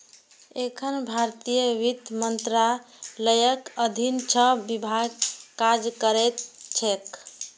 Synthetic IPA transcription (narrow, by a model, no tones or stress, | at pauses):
ekʰənbʱaɾt̪ijəʋit̪mənt̪ɾa | ləjəkəd̪ʱint͡ʃʰəbibʱaɡkːad͡ʒkəɾɛt̪̚t͡ʃʰek